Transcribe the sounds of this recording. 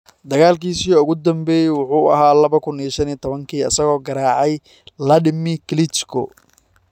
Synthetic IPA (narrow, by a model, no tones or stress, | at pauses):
d̪ɐɣaːlkiːsiːɔʊɣʊd̪ɐmbɛjɛwʊħuːɐ̰ɦaːlɐβɐkʰʊniɐʃɐniːt̪ʰɔβɐŋkʰiːɐsɐɣɔːɡɐɾaːʕɑj | lɐɖɪmɪklɪt͡ʃkʰʊ̰